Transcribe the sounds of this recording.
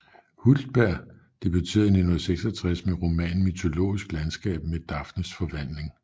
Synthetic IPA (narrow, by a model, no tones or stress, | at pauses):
huld̥̚b̥æɐ̰ | d̥eb̥yt͡sʰe̝̰ːɐðˠene̝nhoð̩ˠseɡ̥sɒt͡sʰʁasmeʁo̝mɛ̰ːnmyt͡sʰo̝lo̝̰ːisɡ̥lænsɡ̥ɛ̰ːb̥med̥ɑ̈fnəsfɒ̽ʋæn̰le̝ŋ